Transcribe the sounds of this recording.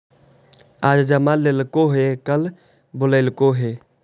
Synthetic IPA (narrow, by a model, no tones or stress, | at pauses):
aːd͡ʒd͡ʒəmaleːlkoɦekəl | bʊləːlkoɦeː